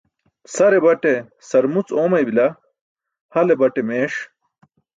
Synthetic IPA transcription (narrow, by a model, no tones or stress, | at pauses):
sɐɾebɐʈe | sɐɾmut͡soːmɐjbilɐ | hɐlebɐʈemeːʂ